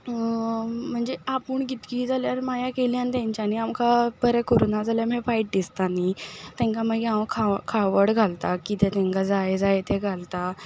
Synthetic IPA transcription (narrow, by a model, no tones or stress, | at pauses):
m̤əɳd͡zeapuɳkit̪kiːd͡zaljaɾmajakeliant̪̬jãɲt͡ɕjaniamkabəɾɛkoɾonad͡zaljamefaiʈ̚dist̪anit̪ɛ̃ŋkaməɡãʋkʰakʰaʋəɽɡʱalt̪akit̪ɛt̪ẽŋkad͡zajd͡zajet̪eɡʱalt̪a